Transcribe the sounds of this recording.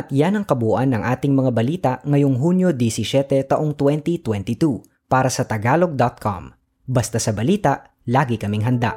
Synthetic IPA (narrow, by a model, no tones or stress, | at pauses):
ʔɐt̪janɐŋkɐbuːʔɐnːɐŋʔaːt̪ɪŋmɐŋabɐliːt̪ɐʔŋɐjoŋɦunjod̪isɪsɛt̪ɛt̪ɐʔoŋt̪wɛnt̪it̪wɛnt̪ɪt̪u | paːɾɐsɐt̪ɐɡaːlo̞ɡ̚d̪ɐt̪̚kʰɐ̰m | bɐst̪asɐbɐliːt̪ɐʔ | laːɡɪkɐmɪŋɦɐnd̪a̰ʔ